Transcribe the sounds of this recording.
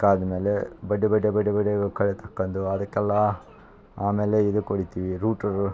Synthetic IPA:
kːaːd̪ɐme̞ːlebɐɖːebɐɖːebɐɖːebɐɖeɡɐkɐɭet̪ʰɐkːɐnd̪uɐd̪ɐkːɛlːɐ | aːmeːleid̪ukoɽit̪iːʋiɾuːʈɐɾ

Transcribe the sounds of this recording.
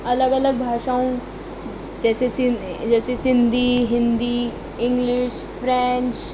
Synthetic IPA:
ɐləɡɐləɡ̚bʱaːʃaũ | d͡ʒɛːsesid͡ʒɛːsesɪnd̪iɦɪ̃nd̪i | ɪ̃ŋɡlɪʃ | fɾɛ̃nt͡ʃ

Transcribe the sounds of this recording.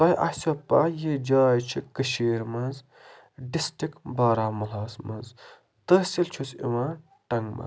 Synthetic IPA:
t̪ɐjʔɐ̰hsɐpaːjed͡ʒaːjt͡ʃʰikəʃiːɾmɐnz | ɖisʈikbaːɾaːmɐlaːsmɐ̰nz | t̪ɐsilt͡ʃʰusḭʋãː | ʈɐŋɡmɐ̰

